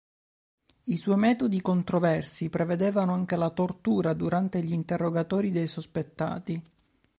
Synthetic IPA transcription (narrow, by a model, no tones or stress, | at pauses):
iswɔjmɛːt̪od̪ikont̪ɾovɛrsipɾeved̪eːvanoaŋk̟elat̪ort̪uːɾad̪uɾant̪eʎint̪erːoɡat̪ɔːɾid̪ejsospet̪ːa̰ːt̪i